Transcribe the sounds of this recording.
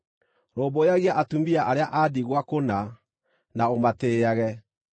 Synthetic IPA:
ɾoːbojaɣiaʔatumiaʔaɾeaʔadiɣwakona | naomateːaɣɛ

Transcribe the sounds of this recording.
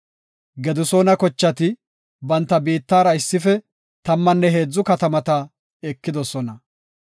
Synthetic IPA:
ɡɛd̪ʊso̞ːnɐkɔt͡ʃːɐt̪ɪ | bɐnt̪ːɐbiːt̪ːaːɾɐɪsːɪfɛ | t̪ɐmːɐnːɛɦe̞ːd͡zːʊkɐt̪ɐmɐt̪ɐ | ɛkːɪd̪ɔsɔnɐ

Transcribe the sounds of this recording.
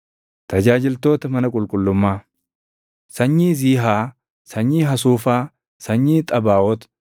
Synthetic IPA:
t̪ɐd͡ʒaːd͡ʒɪlt̪o̞ːt̪ɐmɐnɐkʼʊlkʼʊlːʊmːaː | sɐɲːiːziːɦaː | sɐɲːiːɦɐsuːfaː | sɐɲːiːt̪ʼɐbaːʔɔt̪

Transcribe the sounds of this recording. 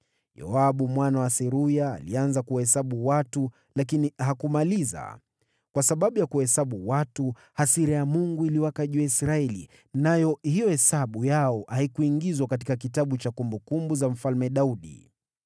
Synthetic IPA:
jɔ̰aɓumwanawasɛɾuja̰ːlḭanzakuwahɛsaɓuwatu | lakinihakumaliza̰ | kwasaɓaɓujakuhɛsaɓuwatu | hasiɾajamuŋɡuiliwakaʄuaisɾaɛlḭ | najɔhijɔhɛsaɓujaɔʔaikuiŋɡizwakatikak̬itaɓut͡ʃakumbukumbuzam̩falmɛɗauɗḭ

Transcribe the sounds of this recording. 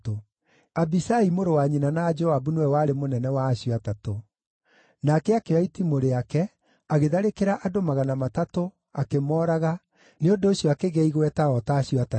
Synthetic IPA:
to | abisaimoɾowaɲinanaːd͡ʒɔabunwɛwaːɾemonɛnɛwaːɕjɔatato | nakɛakeaitimoɾeakɛ | aɣeðaɾekeɾaʔadomaɣanamatato | akemɔːɾaɣa | neondoːɕjɔakeɣɛiɣwɛtaɣɔtaːɕiɔata

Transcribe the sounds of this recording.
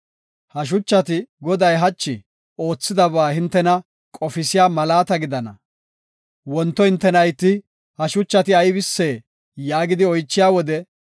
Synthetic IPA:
hɐʃ̬ʊt͡ʃːɐt̪ɪɡɔd̪ɐjɦɐt͡ʃːɪ | o̞ːt͡sːɪd̪ɐβaːhɪnt̪ːɛnɐ | kʼɔfɪsɪjaːmɐlaːt̪ɐɡɪd̪ɐnɐ | wɔnt̪ːɔhɪnt̪ːɛnɐjt̪ːɪ | hɐʃʊt͡ʃːɐt̪ɪɐjbɪsːe̞ː | jaːɡɪd̪ɪɔjt͡ʃːɪjaːwɔd̪ɛ

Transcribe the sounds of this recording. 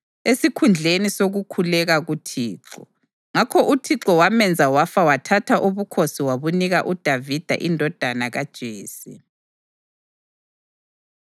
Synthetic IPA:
esikʰund͡ɮʱenisoɣukʰulɛɣaɣutʰiːǁɔ | ŋakʰɔʔutʰiǁɔwamɛnd͡zʱawafawatʰatʰaʔuβukʰosiwaβuniɣaʔud̥ʱavid̥ʱa̰ʔindʱɔd̥ʱanaɣad̥ʒ̥ʱeːsi

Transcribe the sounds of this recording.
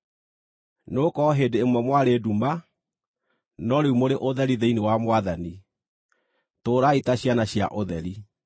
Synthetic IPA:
noːkɔɦeːdeemwɛmwaɾeduma | nɔɾeumoɾeʔoðɛɾiðeinewamwaðani | toːɾaitaɕjanaɕja̰ʔoðɛɾi

